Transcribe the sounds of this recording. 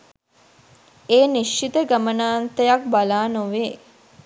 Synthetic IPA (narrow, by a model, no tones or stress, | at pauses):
eːniʃːit̪əɡamənaːnt̪əjak̚balaːnoʋeː